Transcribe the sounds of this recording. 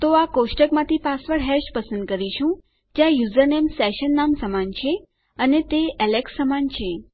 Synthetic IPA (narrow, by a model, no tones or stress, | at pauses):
t̪oakoʃʈəkmãt̪ʰipasʋəɽɦɛʃpəsənd̪̚kəɾiʃũ | d͡ʒjãjuzəɾnemsɛʃənːamsəmant͡ʃʰe | ənet̪eɛlekssəmant͡ʃʰe